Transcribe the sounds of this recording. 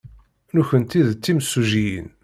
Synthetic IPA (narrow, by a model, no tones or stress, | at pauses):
nuçənt̪iðt͡sːimsːuʒijḭn